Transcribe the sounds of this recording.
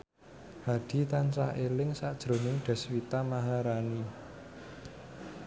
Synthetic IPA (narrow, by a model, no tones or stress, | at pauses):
haɖ̪̥i̤t̪ant͡ʃaelɪŋsad̥ʒ̥ɾo̤nɪŋɖ̪̥ɛ̤swit̪amaɦaɾani